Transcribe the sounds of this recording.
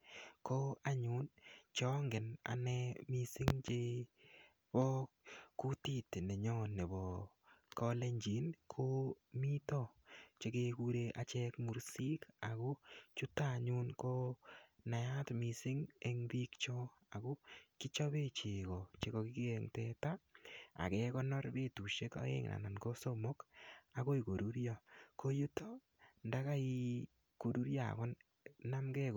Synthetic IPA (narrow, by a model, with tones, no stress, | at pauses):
kɔ˦a˦ɲʊ˨˦nt͡ʃɔ˦ŋɡɪ˨na̰˨nɛ˦mi˦sɪ˦ŋt͡ʃe˦ | bɔ˦kʊ˦ti˦tne˨ɲɔ˦ne˨bɔ˨ | kɔ˦le˦ɲd͡ʒi˨˦nkʰo˦mi˦tɔ˦t͡ʃe˦ke˧ku˦ɾe˧ʔa˨t͡ʃɛ˦kmu˨ɾsi˦ka˨ɡo˦t͡ʃʊ˦ta˦ɲu˦nko˦na˨ja˦tmi˨sɪ˦ŋe˦ŋbi˦kt͡ʃɔ˦ | a˨ko˦ki˦t͡ʃɔ˦βe˦t͡ʃe˨kɔ˨t͡ʃe˨kɔ˨ki˦kiɛ˨ŋtɛta˦a̰˨kɛ˦kɔ˦nɔ˦ɾbe˦tu˨ʃe˦kɔ̰˦ḛ˦ŋnʔa̰˨na˨nko˦so˦mo˦ka˨ko˦i˨ko˨ɾu˦ɾjɔ˨ko˦jo˦to˦ | nda˦ka˦i˦ | ko˨ɾu˦ɾjaa̰˨kɔ˦n | na˦mɡɛ˦k